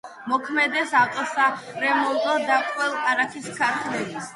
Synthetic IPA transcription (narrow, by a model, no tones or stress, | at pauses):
mɔkʰmɛd̪ɛsat̪ʼɔsaɾɛmɔt̪ɔd̪akʼwɛlˠkaɾakʰiskʰaɾt̪ʰlɛli